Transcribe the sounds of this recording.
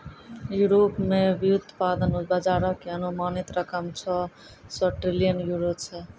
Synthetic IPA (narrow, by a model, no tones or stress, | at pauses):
juɾopmeʋijud̪ʱpad̪ənut̪bəd͡ʒaːɾəkeənumaːnit̪ɾəkʰəmt͡ʃʰɔ | səʈɾilijənjuɾot͡ʃʰɛ